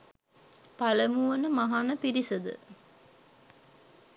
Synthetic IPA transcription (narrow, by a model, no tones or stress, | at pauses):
paləmuʋənəmaɦanəpiɾisəd̪ə̰